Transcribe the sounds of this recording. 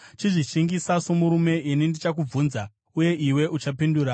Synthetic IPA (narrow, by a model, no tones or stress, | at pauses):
t͡ʃiʐiʃiŋɡisasomuɾume̞ʔinindit͡ʃak̬ub͡vunza | uje̞ʔiwe̞ʔut͡ʃapinduːɾa